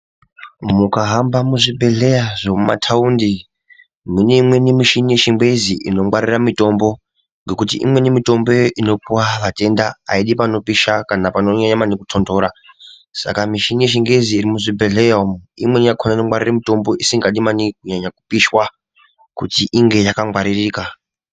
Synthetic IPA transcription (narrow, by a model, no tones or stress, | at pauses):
mukaɦambamuʐibʱe̞ɮe̞jaʐomuma̰tʰaundi | muneimwe̞nimiʃinijeʃiŋɡwe̞ziʔḭno̞mwaɾiramito̞mbo̞ | ŋɡe̞kutḭʔḭmwe̞nimito̞mbo̞ino̞puwaʋate̞ndaa̰iɗipano̞piʃakanapano̞ɲaɲamanikutʰondo̞ːɾa | sa̰kamiʃinijeʃiŋɡeziːɾimuʐibʱe̞ɮejaomḭmwenijakʰonaino̞ŋwariramito̞mbo̞ʔisiŋɡaɗimanikuɲaɲaku̥piʃwa | kutiʔiŋɡe̞jakaŋwaɾiriːka